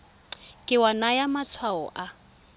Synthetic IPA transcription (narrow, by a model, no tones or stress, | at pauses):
kʼɪwanajamat͡sʰwaɔ̰ʔa